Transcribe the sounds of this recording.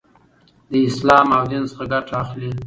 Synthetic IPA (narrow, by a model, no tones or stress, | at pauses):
d̪əɪslɑmawd̪ensəχaɡaʈaaxli